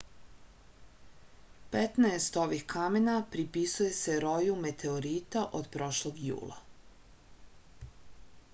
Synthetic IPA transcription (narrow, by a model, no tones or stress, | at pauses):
pet̪naest̪o̞ʋixkame̞napɾipisuje̞se̞ɾo̞jume̞t̪ʰe̞oɾiːt̪aʔod̪pɾo̞ʃlˠoɡjṵːlˠa̰